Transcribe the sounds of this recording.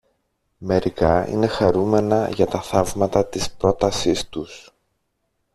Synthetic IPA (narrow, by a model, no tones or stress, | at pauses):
me̞ɾikɐḭne̞xɐɾume̞nɐʝɐt̪ɐθɐvmɐt̪ɐt̪ispɾo̞t̪ɐsist̪us